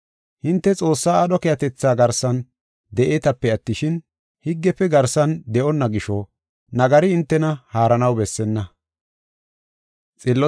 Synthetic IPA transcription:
hɪnt̪ːɛt͡sʼo̞ːsːaːɐɗɔkɛjɐt̪ɛt͡sːaːɡɐɾsɐn | d̪ɛʔeːt̪ɐpːɛɐt̪ːɪʃɪn | hɪɡːɛpːɛɡɐɾsɐnd̪ɛʔɔnːɐɡɪʃɔ | nɐɡɐɾɪɪnt̪ːɛnɐhaːɾɐnɐwbɛsːɛnːɐ | t͡sʼɪlːɔ

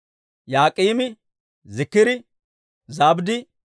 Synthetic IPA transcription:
jaːkʼiːmɪ | zɪkːɪd̪ɪ | zaːbd̪ɪ

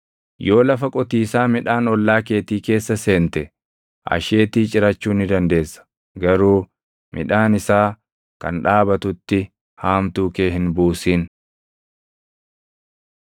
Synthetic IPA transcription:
jo̞ːlɐfɐkʼɔt̪iːsaːmɪᶑaːnɔlːaːke̞ːt̪iːke̞ːsːɐse̞ːnt̪ɛ | ʔɐ̰ʃe̞ːt̪iːt͡ʃʼɪɾɐt͡ʃːuːnɪd̪ɐnd̪e̞ːsːɐ̥ | ɡɐɾuː | mʔɪ̰ᶑaːnɪsaː | kɐ̰nᶑaːbɐt̪ʊt̪ːɪ | haːmt̪uːke̞ːhɪnbuːsiːn

